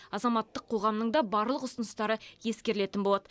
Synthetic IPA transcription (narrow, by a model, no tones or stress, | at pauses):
ɑzɑmɑt̪ːəqʰːo̞ʁɑmnəɴd̪ɑbɑɾlˠəqʊsənəst̪ɑɾəje̞skʲe̞ɾɪle̞t̪ɪnbo̞lˠɑd̪ə